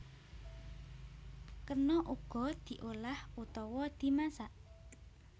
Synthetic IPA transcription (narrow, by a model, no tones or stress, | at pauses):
kərnɔʔuɡ̥ɔ̤d̪̥i̤ʔolahut̪ɔwɔd̪̥i̤masaʔ